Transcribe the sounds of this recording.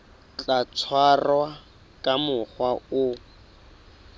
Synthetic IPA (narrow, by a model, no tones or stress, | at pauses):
t͡ɬat͡sʰwarwa | kʼamʊχwaʊ